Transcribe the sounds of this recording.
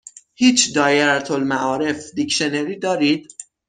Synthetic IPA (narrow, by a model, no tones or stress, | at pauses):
hiːt͡ʃʰd̪ɒːjeɾt̪ʰolmæʔɒːɾe̞fd̪ikʃe̞neɾiːd̪ɒːɾiːd̪̥